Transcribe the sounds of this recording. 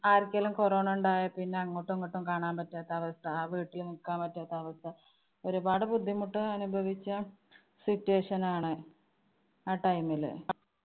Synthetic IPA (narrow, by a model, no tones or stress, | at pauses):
aːrkʲːɐlumkoroːɳuɳɖaːjɐpinːe̞ɐŋːoʈːuŋːoʈːumkaːɳaːmpɐtːaːt̪ːɐɐʋɐst̪ʰɐaːʋiːʈːilnikːaːmpɐtːaːt̪ːɐːʋɐst̪ʰɐ | o̞ɾubaːɽɐbud̪ʱːimuʈːɨɐnubʱɐʋit͡ɕːɐ | sitːueːʂɐnaːɳɨ | aːʈɐjmil̰